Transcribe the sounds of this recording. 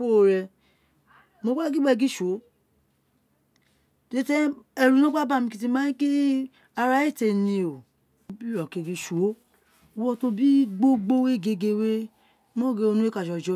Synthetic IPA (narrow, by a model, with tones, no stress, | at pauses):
fo˦˨ɾɛ˧ | mo˧ɡ͡ba˦ɡi˦ɡ͡bɛ˦˧˨ɡi˦ʃo˨˦ | te˦tɛ˦ɛ˧ɾu˨nɔ̃˦k͡pa˦ba˦˨mĩ˧ki˧t̬i˧mã˨˦jĩ˦ke˦ | a˧ɾa˧˦e˦˨te˧˨nĩ˧o˨ | o˨bi˦ɾɔ˨ke˧˨ɡe˧ʃo˨˦ | o˧wɔ˧to˧bi˦ɡ͡bo˦ɡ͡bo˦we˦˨ɡe˧ɡe˧we˦ | mɔ̃˦˨ɡe˧o˧nũ˦e˦ka˨ʃɔ˧d͡ʒɔ˧˦